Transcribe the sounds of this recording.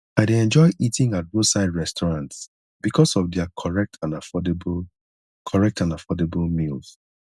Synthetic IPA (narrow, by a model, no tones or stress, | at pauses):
aɪdeɛ̃nd͡ʒɔɪʔitĩŋat̚bosaɪdɹɛstʰɔɹãnts | b̥ikʰɔsɔvdɛakʰɔɹɛk̚tʰãnafɔdb | kʰɔɹɛk̚tãnafɔdebəlmilˠz̥